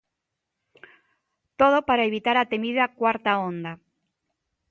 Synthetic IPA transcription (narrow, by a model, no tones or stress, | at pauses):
t̪oð̞opaɾaeβit̪aɾat̪emiðakwaɾt̪aõnd̪a